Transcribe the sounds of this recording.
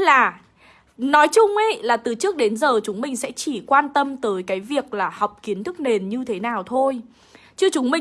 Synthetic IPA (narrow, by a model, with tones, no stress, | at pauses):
laː˨˩ | nɔ˨˦jt͡ɕʊ˧ŋ͡mʔə˨˦jlaː˨˩t̪ɨ˨˩t͡ɕɨ˦˥ək̚ɗe˨˦nzəː˨˩t͡ɕʊ˨˦ŋ͡mmï˨˩ŋ̟sɛ̰˧˥t͡ɕi˧˩kwaː˧nt̪ə˧mt̪əː˨˦jkaː˨˦jvi˨˩ək̚laː˨˩hɔ˨˩wk͡p̚ki˨˦ənt̪ʰɨ˦˥k̚ne˨˩nɲɨ˧t̪ʰe˨˦naː˨˩wt̪ʰo˧j | t͡ɕɨ˧ət͡ɕʊ˨˦ŋ͡mmï˨˩˨